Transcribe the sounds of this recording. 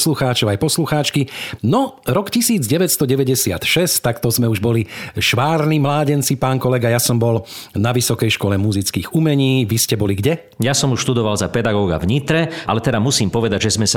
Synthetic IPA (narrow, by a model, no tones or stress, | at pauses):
sluxaːt͡ʃɔʊajpɔsluxaːt͡ʃkinɔɾɔkcisiːd͡zɟɛʋɛtst̪ɔɟɛʋɛɟɛsɪa̰t̪ʃɛst̪akt̪ɔzmɛuʒbɔliʃʋaːɾnimlaːɟɛnt͡sipaːnkɔlɛɡajasɔmbɔlnaʋisɔkɛjʃkɔlɛmuzit͡skiːɣumɛɲiːʋiscɛbɔliɡɟɛ | jasɔmuʃt̪ud̪ɔʋalzapɛd̪aɡɔːɡa̰vɲit̪ɾɛʔa̰lɛt̪ɛd̪amusiːmpɔʋɛd̪aɟʒɛzmɛsa